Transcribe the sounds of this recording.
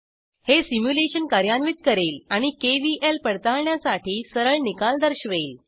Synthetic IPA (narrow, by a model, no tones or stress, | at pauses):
hesimjuleɕənkaɾjanʋit̪kəɾeːlaɽ̃ikeʋiʔelpəɽt̪aɭɳjasaʈʰiːsəɾəɭnikald̪əɾɕʋeːl